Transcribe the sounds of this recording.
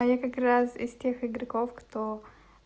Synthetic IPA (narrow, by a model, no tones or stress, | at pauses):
jakɐkɾasɪ̰stʲe̞xɪɡɾɐkofkt̪o